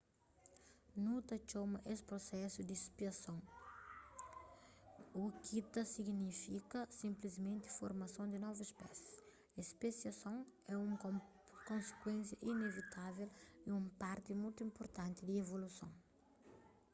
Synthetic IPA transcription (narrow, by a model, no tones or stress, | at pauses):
nut̪ɐt͡ʃomɐʔespɾosɛsud̪ispiɐsõŋ | ukit̪ɐsiɡnifikɐsĩmplizmẽnt̪ɪ̥foɾmɐsõd̪inɔvuspɛs | espesjɐsõŋ | ɛũ | kõnse̥kwẽnsjɐʔinevit̪ʰaveliũmpaɾt̪imujt̪uĩmpoɾt̪ãnt̪id̪ievolusõ̰w